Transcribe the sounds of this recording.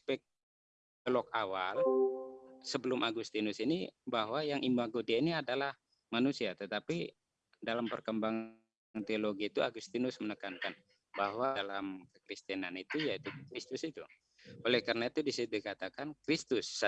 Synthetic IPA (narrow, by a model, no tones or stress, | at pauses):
pɛk̚ | əlɔkawal | səbəlʊmʔaɡust̪inʊsinibaɦwajaŋʔimuaɡodeiniadalah | manusiat̪ət̪api | dalampərkəmbaŋ | nt̪eoloɡiːt̪ua̰ɡust̪inʊsmənəkankan | baɦwaalamkəkɾist̪ɛnanit̪ujait̪ukɾist̪ʊsit̪u | olɛhkarnait̪udisidikat̪akankɾist̪ʊs